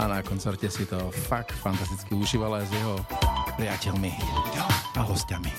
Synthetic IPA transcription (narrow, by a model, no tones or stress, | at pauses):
anakɔnt͡sɛɾcɛsit̪ɔfak̚t̪fant̪as̬t̪it͡skiuʒiːʋalajzjɛɦɔpɾiacɛlmiiɔɡaaɦɔscami